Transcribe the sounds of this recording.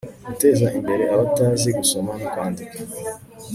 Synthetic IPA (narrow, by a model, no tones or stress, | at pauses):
ɡute̞zaʔimbe̞ɾe̞aβataːziɡuso̞manokwaːndikḁ